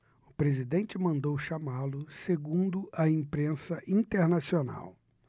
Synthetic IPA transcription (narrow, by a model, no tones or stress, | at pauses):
ʊpɾezid̪ẽnt͡ʃɪmɐ̃nd̪owʃamalʊseɡũnd̪ʊʔɐĩpɾẽsɐʔĩt̪eɾnasiona̰w